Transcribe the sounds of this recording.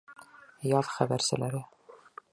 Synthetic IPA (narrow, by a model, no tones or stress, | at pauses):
jɑðχæbæɾsɘ̰̆læɾɘ